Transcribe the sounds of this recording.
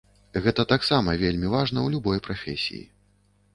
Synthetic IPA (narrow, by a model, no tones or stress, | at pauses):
ɣɛt̪ɐt̪aksamɐvʲelʲmʲivaʐnɐwlʲubɔjpɾafʲɛsʲḭjḭ